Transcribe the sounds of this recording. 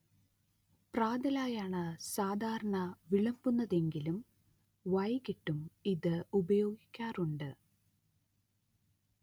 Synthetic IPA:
praːd̪ɐlaːjaːɳɨsaːd̪ʱaːɾɐɳɐʋiɭɐmbunːɐðe̞ŋɡilum | ʋɐjkiʈːumiðɨubɐjo̞ːɡikʲːaːruɳɖɨ

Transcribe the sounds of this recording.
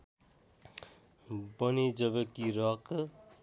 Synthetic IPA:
bʌnid͡ʒʌbekiɾʌk

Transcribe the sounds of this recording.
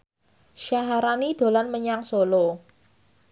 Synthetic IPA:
ʃaɦaɾanid̪̥o̤lanməɲaŋsolo

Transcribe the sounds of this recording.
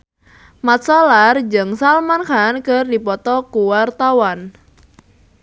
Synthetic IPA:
mat̪sɔlard͡ʒəŋsalmankankərdipɔt̪ɔkuwart̪awan

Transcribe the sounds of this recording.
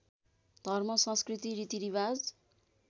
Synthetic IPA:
d̪̥ʱʌrmʌsʌ̃nskrit̪iɾit̪iɾiβad͡z

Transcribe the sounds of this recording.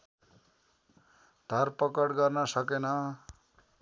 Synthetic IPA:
d̪ʱʌrpʌkʌɽɡʌrnʌsʌkenʌ

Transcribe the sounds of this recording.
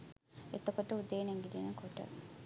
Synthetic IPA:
et̪ɐkoʈəud̪eːneŋɡilinɐkoʈə̰

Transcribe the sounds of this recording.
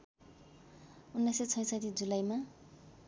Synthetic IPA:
unːajsʌt͡sʰʌj̃sat̪id͡zulajma

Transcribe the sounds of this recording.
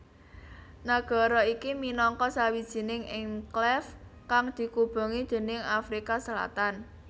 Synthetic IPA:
naɡ̥ɔ̤ɾɔikiminɔŋkɔsawid̥ʒ̥i̤nɪŋɪŋklɛfkaŋd̪̥i̤kub̥o̤ŋid̪̥e̤nɪŋafɾikasəla̰t̪an

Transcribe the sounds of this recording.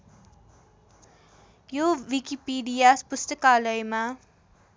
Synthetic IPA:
joʋikipiːɖiaspʊst̪əkaləjma

